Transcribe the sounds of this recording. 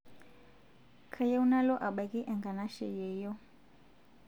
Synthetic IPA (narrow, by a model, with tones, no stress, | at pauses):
kʰa˨ja˦u˦na˦lɔ˦ʔa˨ɓa˨kʼi˦ʔɛ˨ŋɡa˨na˦ʃɛ̰˨jɛː˨jɔ˦